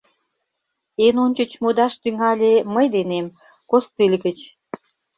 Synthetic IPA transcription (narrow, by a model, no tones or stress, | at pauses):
enonʲt͡ɕə̆t͡ɕmod̪ɑʃt̪yŋɑlʲeməjd̪enem | kost̪ilʲɣət͡ɕ